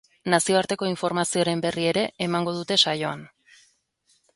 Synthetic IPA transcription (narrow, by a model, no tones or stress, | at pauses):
nasio̞aɾt̪e̞ko̞iɱfo̞ɾmasio̞ɾe̞mbe̞rie̞ɾe̞ːmaŋɡo̞ð̞ut̪e̞sajo̞a̰n